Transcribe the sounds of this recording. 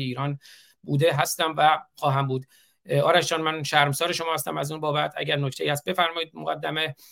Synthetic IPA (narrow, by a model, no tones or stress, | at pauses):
eiːɾɒːn | buːd̪e̞ɦæst̪æmvæxɒːɦæmbuːd̪ | ɒːɾæʃd͡ʒɒːnmænʃæɾmsɒːɾeʃo̞mɒːhæst̪æmæzuːnbɒːbæt̪ʰæ̰ɟæɾnocʰt̪ejiːæst̪̚be̞fæɾmɒːjid̪moɡæd̪ːæme